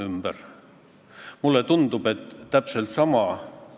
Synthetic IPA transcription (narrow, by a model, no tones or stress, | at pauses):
ymb̥ər | mulːet̪und̪ub̥e̞t̪ːæpse̞lt̪sɑmɑ